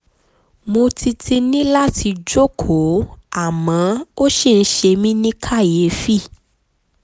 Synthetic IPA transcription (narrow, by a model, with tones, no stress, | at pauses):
mõ˧ti˧ti˧nĩ˦la˦ti˧d͡ʒo˦kʰo˨˦a˦˨mã˨˦o˦ʃe˦˨n̩˦ʃe˧mĩ˦nĩ˦kʰa˦˨je˨˦fi˦˨